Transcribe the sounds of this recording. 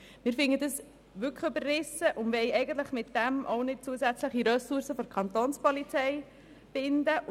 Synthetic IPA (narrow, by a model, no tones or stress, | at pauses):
mɪːɾfɪŋədəs | ʋʏkχybərːɪsəʔʊnʋɛɪɛɪɡən̩t̪ləχmɪtd̥ɛmʔoʊnɪt̚t͡suəsæt͡sləχiɾœsuɾsəfɔɾkʰɑnt̪oːnspɔlit͡sɛɪ | b̥ɪnd̪ə